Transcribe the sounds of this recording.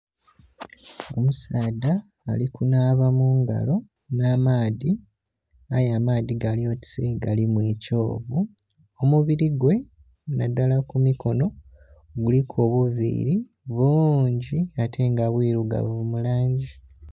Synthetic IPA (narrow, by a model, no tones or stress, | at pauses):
o̞musaːdaː | likunaːβamuːŋɡa̰lo̞ | naːmaːði | ajamaːðiɡalio̞ti̥seɡalimweco̞ːβu | omuβiɾiɡwe̞ | nadalakumiko̞no̞ | ɡulikʰo̞ːβuvḭɾi | βoːɲɟiatʰe̞ːŋɡaβwiːɾuɡa̰ββumulaːɲɟi